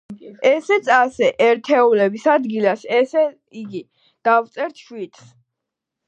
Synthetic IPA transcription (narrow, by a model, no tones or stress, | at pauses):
ɛsɛt̪sʰasɛʔɛɾt̪ʰɛulɛbisad̪ɡilasɛsɛ | iɡi | d̪̥aft̪sʼɛɾt̪ʰʃwit̪ʰs